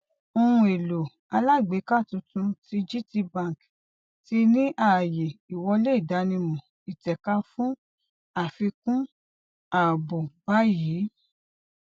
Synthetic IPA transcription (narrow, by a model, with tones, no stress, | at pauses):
o˧ũ˧e˨lo˨ | a˧la˦˨ɡ͡be˨˦ka˦˨tũ˧tũ˧˦ti˨˦d͡ʒi˦ti˧bã˦˨k | ti˧˦nĩ˦ʔa˦˨je˨i˨wɔ˧le˦i˦˨da˨˦nĩ˧mũ˨ | i˨tɛ˨ka˧˦fũ˦ | a˦˨fi˧kũ˦ | a˨bo˨ba˦ji˨˦